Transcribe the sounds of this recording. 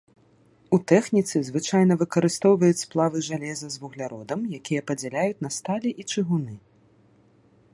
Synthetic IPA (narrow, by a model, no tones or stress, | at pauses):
ut̪ɛxnʲit̪sɨzvɨt͡ʂajn̪ɐvɨkɐɾɨst̪ɔwvɐjut͡sʲsplˠavɨʐalʲɛzɐzvuɣlʲaɾɔd̪ɐmjakʲijɐpɐd͡zʲɛlʲajut͡sʲnɐst̪alʲɛʔit͡ʂɨɣunɨ